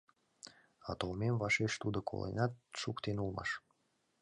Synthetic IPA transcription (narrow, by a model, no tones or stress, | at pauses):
ɑt̪olmemvɑʃeʃt̪ud̪okʰo̰lˠḛnɑt̪̚ʃukt̪enulˠmɑ̰ʃ